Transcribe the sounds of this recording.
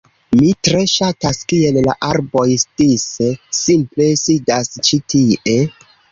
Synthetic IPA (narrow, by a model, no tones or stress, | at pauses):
mitɾe̞ʃataskie̞lla̰ʔaɾbo̞jstisesimple̞sidast͡ʃitʰiʔe̞